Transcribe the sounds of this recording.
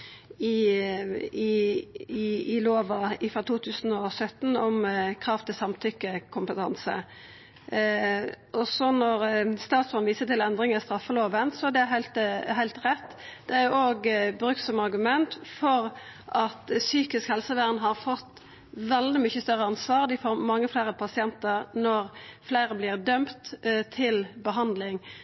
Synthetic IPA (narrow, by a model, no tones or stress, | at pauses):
ɪ | ɪ | ɪloːʋɑɪfʁɑt̪uːt̪ʰʉːsn̩ɔsœt̪ːn̩ɔmkʰɾɑːft̪ʰɪlsɑmt̪ʰʏkːəkʰʊmpət̪ʰɑ̰nsə̰ | ʔɔsɔnɔɾst̪ɑːt̪sfɔnʋiːsət̪ɪlɛnd̪ɾɪŋəst̪ɾɑfːəloːʋənsɔd̪ɛæɾɦæɪlt̪ɦæɪlt̪ʁɛt̪ː | d̪̥ɛæɾjoːɡbɾʉkt̪sɔmɑɾɡʉmɛnt̪fɔʁʔɑt̪syːkɪskhɛlsəʋæʁnɦɑʁfɔt̪ː | ʋɛld̪ɪmʏçːəst̪œʁːəɑnsʋɑːʁd̪ɪfoːɾmɑŋːəflæːɾəpʰɑsɪɛnt̪əʁnɔʁflæɪɾəblɪʁd̪œmt̪t̪ʰɪlbəɦɑnd̪lɪŋ